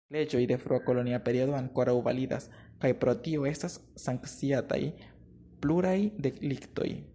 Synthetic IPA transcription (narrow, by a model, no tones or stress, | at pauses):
le̞d͡ʒo̞jde̞fɾuako̞lo̞niape̞ɾiodo̞aŋko̞ɾawva̰lida̰s | kajpɾo̞tio̞e̞stasːaŋkt͡siata̰j | pluɾajde̞klikto̞̰j